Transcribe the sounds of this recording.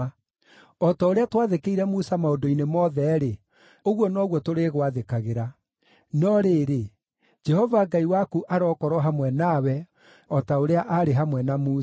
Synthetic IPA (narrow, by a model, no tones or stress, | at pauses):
ɔtaoɾeatwaðekeiɾɛmusamaodoinemɔðɛɾe | oɣwɔnɔɣwɔtoɾeːɣwaðekaɣeɾa | nɔɾeːɾe | d͡ʒɛhɔvaːɡaiwakuʔaɾɔkɔɾwɔɦamwɛnawɛ | ɔtaoɾeaʔaɾeɦamwɛnamuː